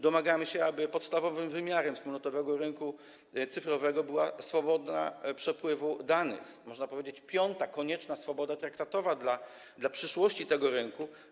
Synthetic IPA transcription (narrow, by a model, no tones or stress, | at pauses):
d̪ɔmaɡamɘɕɛabɘpɔt̪st̪avɔvɘmvɘmʲjaɾɛmspulnɔt̪ɔvɛɡɔɾɘŋku | t̪sɘfɾɔvɛɡɔbɘwasfɔbɔd̪na̰pʂɛpwɘvud̪anɘ̰xmɔʐnapɔvʲjed͡ʑet͡ɕpʲjɔnt̪akɔɲɛt͡ʂnasfɔbɔd̪at̪ɾakt̪at̪ɔvad̪la | d̪lapʂɘʂwɔɕt͡ɕit̪ɛɡɔɾɘŋku